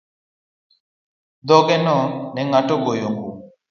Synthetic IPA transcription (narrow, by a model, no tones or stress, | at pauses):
d̪ɔɡɛnɔnɛŋaʈɔɡojoŋɡu